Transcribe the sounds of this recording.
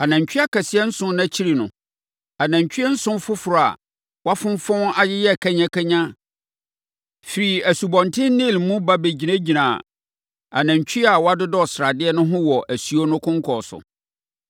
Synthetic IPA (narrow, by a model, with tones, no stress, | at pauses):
a˨nã˨ɲ˨t͡ɕᶣi˦a˦ka˨sɪ˦ɛ˦n̩˦sʊ̃˦nã˦t͡ɕʰi˦ɾi˨nʊ̰̃˨ | a˨nã˨ɲ˨t͡ɕᶣɥɛ˦n̩˦sʊ̃˦nfʊ˦fʊ˨ɾʊ˨a̰˨ | wa˦fʊ̃˦m˦fɔ̃˦na˦jɪ˦jɛ˦˨kʰa˦ɲã˦kʰa˦ɲã˦ | fi˨ɾi˨æ˨su˨bɔ̃˨ntʰɪ̃˦nɪ̃˦˨lmũ˦ba˦be˨d͡ʑi˨nã˦d͡ʑi˨nã˨ | a̰˨nã˨ɲt͡ɕʰᶣi˦a˨wa˦dʊ˦dɔ˦˨sɾa˨dɪ˦ɛ˦nʊ̃˦ɦʊ̃˦wɔ˨ʔæ˨su˨o˦nʊ̃˦kʰʊ̃˦ŋ˦kʰɔ˨sʊ̰˨